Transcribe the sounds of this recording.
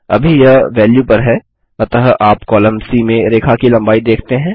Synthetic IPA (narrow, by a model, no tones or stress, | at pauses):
ɐ̰bʱijɐʋɛːljupɐɾɦɛː | ɐt̪ɐɦʔaːpkɔːlə̃msimẽɾeːkʰakilɐ̃mbaːid̪eːkʰt̪eɦɛ̃ː